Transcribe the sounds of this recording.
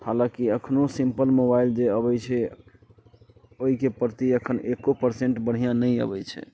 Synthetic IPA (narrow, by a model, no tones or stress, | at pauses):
halãkiəkʰnosimpəlmobaild͡ʒeəbɛt͡ʃʰɛ | oɦikepəɾt̪iəkʰənekːopəɾseɳʈbəɽ̤ijãnəjə̰bɛt͡ʃʰɛ̰